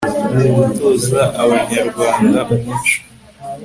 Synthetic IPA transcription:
eβutoːzaʔaβaɲaɾɡwaːndamumut͡ʃu̥

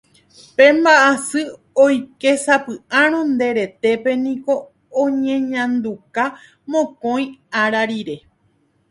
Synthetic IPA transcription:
pẽ̞mbaʔasɨ | ojke̞sapɨãɾ̃õnd̪e̞ɾe̞t̪e̞pe̞nĩko̞ | õɲẽɲãnd̪uka | mõkõj̃aɾaɾiɾe̞

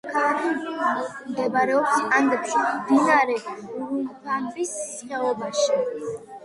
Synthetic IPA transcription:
kʰaɾi | md̪ɛbaɾɛɔpsaŋɡɾiimd̪inaɾɛuɾuɡ̪anbisːχɛɔbaʃi

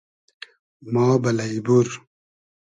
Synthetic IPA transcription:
maːbɐlɐibuɾ

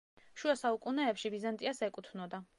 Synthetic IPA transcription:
ʃuasaukʼunɛːpʃivizant̪ʼiasɛkʼut̪ʰnɔd̪a

